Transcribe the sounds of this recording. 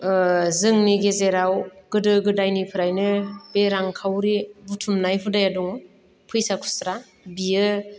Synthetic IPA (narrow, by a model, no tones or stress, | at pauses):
zɯŋniɡezeɾawɡ̥ɯdɯɡɯdajnipʰɯɾajnɯbeɾaŋkʰawɾibutʰumnajɦudajaduŋ | pʰɯjsakʰu̥sɾa | biɯ